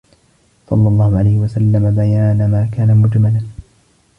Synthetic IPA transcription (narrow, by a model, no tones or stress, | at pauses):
sˤɑ̰lːɑlˤːɑːhʊʕalajhɪwasalːamabajaːnamaːkaːnamʊd͡ʒmalaː